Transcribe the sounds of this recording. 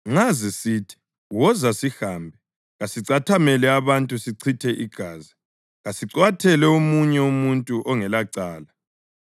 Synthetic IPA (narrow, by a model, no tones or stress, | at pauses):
ŋazisitʰi̥ | wɔzasihaːmbʱɛ | ɣasiǀatʰamɛlɛaβantʼusiǀʰitʰɛʔiɡ̥ʱaːzi | ɣasiǀwatʰɛlɛumuɲɛumuntʼuʔɔŋɛlaǀaːla